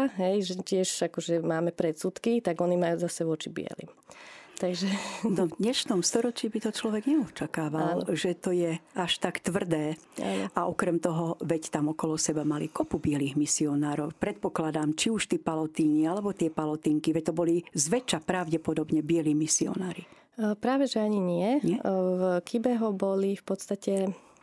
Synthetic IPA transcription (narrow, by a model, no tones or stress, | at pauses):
ɦɛjʒɛcɪɛʃakɔʒɛmaːmɛpɾɛt̪sut̪kit̪aɡɔnimajuːzasɛʋʊɔt͡ʃibɪ̰ɛ̰lḭmt̪aɡʒɛnɔvd̪ɲɛʃnɔmst̪ɔɾɔt͡ʃiːbit̪ɔt͡ʃlɔʋɛɡɲɛɔt͡ʃakaːʋalʒɛt̪ɔjɛaʃt̪akt̪ʋr̩d̪ɛː | a̰ːnʔaʔɔkɾɛmt̪ɔɦɔʋɛct̪amɔkɔlɔsɛbamalikɔpubɪɛliːɣmisiɔnaːɾɔʊpɾɛt̪̚pɔklad̪amt͡ʃiuʃt̪iːpalɔt̪iːnialɛbɔt̪ɪɛpalɔt̪iːŋkiʋɛc̚t̪ɔbɔlizʋɛt͡ʃapɾaʊɟɛpɔd̪ɔbɲɛbɪɛliːmisiɔ̰naːɾi | pɾaːʋɛʒɛaɲiɲɪɛɲɛvkibɛɦɔbɔlifpɔt̪st̪acɛ